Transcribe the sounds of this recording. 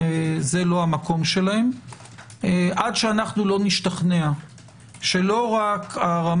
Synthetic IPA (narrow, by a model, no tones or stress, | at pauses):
ze̞lo̞amako̞mʃe̞lahe̞m | ʔadʃeanaχnulo̞niʃtaχnea | ʃe̞lo̞ʁakaʁam